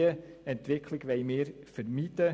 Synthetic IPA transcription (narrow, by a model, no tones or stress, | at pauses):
əɛntʋɪkʰlɪɡʋɛɪmeːɾ | fəɾmiːd̪ə